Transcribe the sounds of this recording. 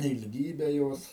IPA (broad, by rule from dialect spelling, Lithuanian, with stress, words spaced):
ɪlʲˈɡʲiːbʲɛ ˈjoːs